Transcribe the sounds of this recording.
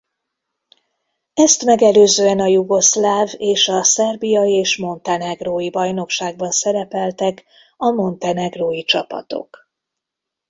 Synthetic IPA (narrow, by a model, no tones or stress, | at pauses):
ɛst̪mɛɡɛløːzøːɛnɒjuɡo̞slaːveːʃɒsɛrbijɒjieːʃmo̞nt̪ɛnɛɡroːjibɒjno̞kʃaːɡ̚bɒnsɛɾɛpɛlt̪ɛk | ɒmo̞nt̪ɛnɛɡroːjit͡ʃɒpɒ̰t̪o̰k